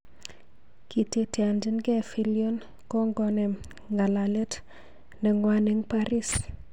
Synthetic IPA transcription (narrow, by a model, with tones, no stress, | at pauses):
ki˨te˦te˨a˨nd͡ʒɪ˦nɡɛ˦fi˦ljo˦n | kɔ˦ŋɡɔ˦nɛ˨m | ŋɡa˨la˨lɛ˦t | nɛ˨ŋwa˦ne˦ŋpaɾi˦s